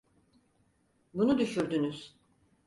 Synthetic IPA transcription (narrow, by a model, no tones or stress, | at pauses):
bunud̪yʃyɾd̪ynyz̥